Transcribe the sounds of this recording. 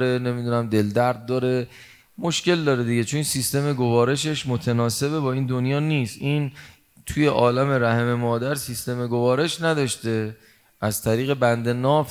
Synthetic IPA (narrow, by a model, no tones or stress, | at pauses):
ɾe̞ne̞mid̪unæmd̪e̞ld̪æɾd̪̚ːɒːɾe̞ | mo̞ʃce̞ld̪ɒːɾed̪iɟe̞t͡ʃʰonsist̪e̞me̞ɡo̞vɒːɾe̞ʃeʃmot̪ʰenɒːse̞be̞bɒːiːnd̪onjɒːniːst̪ʔiːn | t̪ʰuje̞ʔɒːlæme̞ɾæheme̞mɒːd̪æɾsist̪e̞me̞ɡo̞vɒːɾe̞ʃnæd̪ɒʃt̪e̞ | ʔæzt̪ʰæɾiːɣe̞bænd̪e̞nɒːf